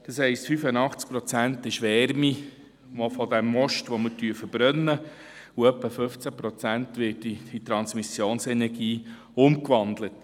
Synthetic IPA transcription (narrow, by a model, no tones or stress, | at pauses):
d̪̥ɑshɛɪstfyfənɑχt͡sk̚pɾɔt͡sæntɪʃʋɛɾmi | ʋofɔdæmːɔʃtʋɔmətyəfəɾb̥ɾœnːə | uœpːəfɵft͡sæpɾɔt͡sæntʋɪtiit̪ɾɑnsmisjoːnsɛnɛɾɡiː | ʊmkʋɑndlət